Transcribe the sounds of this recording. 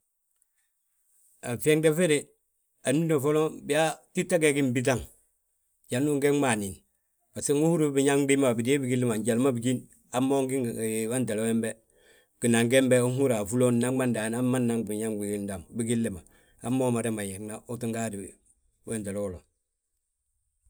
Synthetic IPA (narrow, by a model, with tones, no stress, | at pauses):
a˨fe˦ŋde˦fe˦ɾe˦ | a˨n˦i˦do˨fo˦lo˦bi˦a˦ti˦tːa˦ɡe˦ɡi˦mbi˦t̬a˦ŋ | ɟa˨nu˦ŋɡe˦ŋma˨ni˨n | ba˨si˦ŋu˦hu˦ɾu˦bi˨ɲa˦ŋbi˦ma˦a˨bi˨de˦bi˦ɡi˦lːi˦ma˨ɲɟa˨lma˦bi˨ɡi˦n | a˦mːo˦ŋɡi˦ŋ˨wa˦nte˨lo˦we˦mbe˦ | ɡ̥i˨na˨ŋɡe˦mbe˦u˦hu˦ɾa˨fu˦lo˦nna˦ma˦nda˨˦na˦mːa˦nːa˦ŋbi˨ɲa˦ŋɡi˨ɡi˦da˨ŋbi˦ɡi˦lːi˨ma˨ | a̰˦mːoː˦ma˨ɾe˦ma˨ɲe˨ŋna˦ʔu˦ti˦ŋɡa˦di˨ | we˦nte˨lo˦o˦lo˨